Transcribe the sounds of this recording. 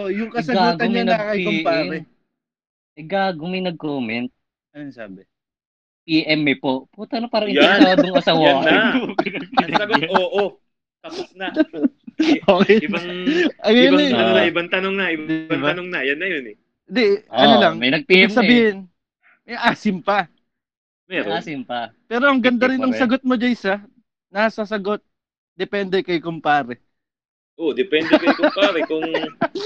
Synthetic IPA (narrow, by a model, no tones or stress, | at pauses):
ojʊŋkɐsɐɡaɡ̪t̪oɲmɐnɐɡɐkɐimʔpaɛɛ | ʔɐjɡaːɡomɐjnɐɡ̚koːmɛnt̪̚ | ɐjsaːbɛ | piʔɛmːɛpoʔpuːt̪ɐnopaːɾɐʔɪjaːd̪oŋʔɐsawamɐnɐɡ̚pɛsɐɡooʔo | t̪ɐposnɐ | ʔokɛɪbaʔɐɡɐjɐbnɐnonaɪbɐŋt̪ɐnoŋnɐʔɪbbaŋɐnoŋnɐjɐnːɐjonɛ | d̪ɛʔɐnolɐŋmɐjnɐɡ̚pɐɡsɐbiːhɪn | mʔaːsɪmpɐ | mɛɾoasɪmpɐpɛːɾo̞ʔɐŋɡɐnd̪ɐɾɪnʔɐŋsɐɡot̪̚mod͡ʒɐjsɐ | nasɐsɐɡo̞t̪̚ | d̪ɛpɛnd̪ɛkɐjkʊmpaːɾɛ | ʔod̪ɛpɛnd̪ɛkɐjkʊmpaɾɛkʊŋ